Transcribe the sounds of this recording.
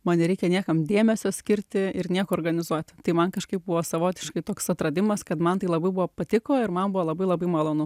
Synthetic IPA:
mɐːnnʲɛɾʲɛɪkʲɛnʲiɛkɐmd̪ʲeːmʲɛsʲoːsʲkʲɪɾʲt̪ʲɪɪɾnʲiɛkoːɾɡɐnʲɪzuɔt̪ʲt̪ɐɪmɐnkɐʃkɐɪp̚bʊʋoːsɐʋoːt̪ʲɪʃkɐɪt̪oːksɐt̪ɾɐd̪ʲɪmɐskɐt̪mɐnt̪ɐɪlˠɐbɐɪbʊʋoːpɐt̪ʲɪkoːɪɾmɐnbʊʋoːlˠɐbɐɪlˠɐbɐɪmɐlˠoːnʊ

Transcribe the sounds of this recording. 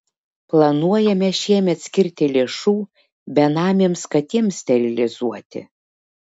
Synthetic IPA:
plˠɐnuɔjɛmʲɛʃʲiɛmʲɛt̪sʲkʲɪɾʲt̪ʲɪlʲeːʃuː | bʲɛnɑːmʲeːmskɐt̪ʲimsʲt̪ʲɛlʲɪlʲɪzuɔt̪ʲɪ̰

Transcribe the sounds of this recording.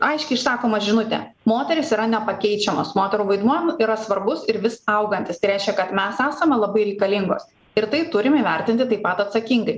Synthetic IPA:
ɐɪʃʲkʲɛɪʃsɑːkoːmɐʒʲɪnʊt̪ʲɛ̰ | moːt̪ʲɛɾʲɪsiːɾɐnʲɛpɐkʲɛɪt͡ʃʲɛmoːsmoːt̪ʲɛɾuːʋɐɪd̪muɔjɛmiːɾɐsʋɐɾbʊsɪɾʋʲɪsɐʊɡɐnʲt̪ʲɪst̪ɐɪɾʲæɪʃʲkʲɛkɐt̪mʲɛsæːsɐmʲɛlˠɐbɐɪɾʲɛɪkɐlʲɪŋɡo̰ːs | ɪɾt̪ɐɪt̪ʊɾʲɪmiʋʲɛɾʲt̪ʲɪnʲt̪ʲɪt̪ɐɪpɐt̪ɐt̪sɐkʲɪŋɡɐɪ

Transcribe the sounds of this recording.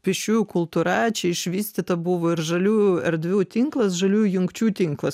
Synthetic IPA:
pʲɪʃʲuːjʊkʊlˠt̪uːɾɐt͡ʃʲɛɪʃʲʋʲiːsʲt̪ʲɪt̪ɐbʊʋoːɪɾʒɐlʲuːjʊɛɾd̪ʲʋʲuːt̪ʲiŋklˠɐsʒɐlʲuːjʊjʊŋkt͡ʃʲuːt̪ʲɪŋklˠɐs

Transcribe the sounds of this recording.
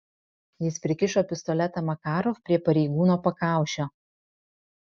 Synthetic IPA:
jɪspʲɾʲɪkʲɪʃoːpʲɪst̪ɔlʲɛt̪ɐmɐkɑːɾofpʲɾʲiɛpɐɾʲɛɪɡuːnoːpɐkɑˑʊʃʲoː

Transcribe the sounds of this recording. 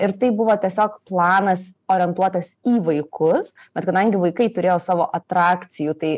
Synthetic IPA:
ɪɾt̪ɐɪbʊʋoːt̪ʲiɛsʲoːkplˠɑːnɐsoːɾʲɪɛnt̪uɔt̪ɐsiːʋɐɪkʊsb̥ʲɛt̪kɐd̪ɐŋʲɡʲɪʋɐɪkɐɪt̪ʊɾʲeːjoːsɑːʋoːʔɐt̪ɾɑːkt̪sʲɪjuːt̪ɐɪ

